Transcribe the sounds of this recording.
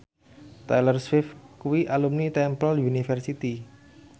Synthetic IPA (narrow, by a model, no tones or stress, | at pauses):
t̪ajlərswɪfkuwiʔalumnit̪ɛmpəljunifərsit̪i